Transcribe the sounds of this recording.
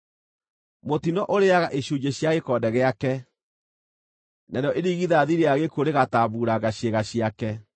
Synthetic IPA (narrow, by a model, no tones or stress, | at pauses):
motinɔʔoɾeaɣaʔeɕuɲd͡ʒeɕjaɣekɔdɛɣeakɛ | naɾeɔʔeɾiɣiðaːðiɾeaɣekoɾeɣataβuːɾaɣaɕeɣaɕiakɛ